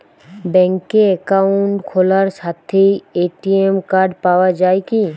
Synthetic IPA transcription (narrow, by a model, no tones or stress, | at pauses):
bɛŋkeɛkauɳʈkʰolaɾʃat̪ʰːejeʈiemkaɾɖpaoad͡ʑaeki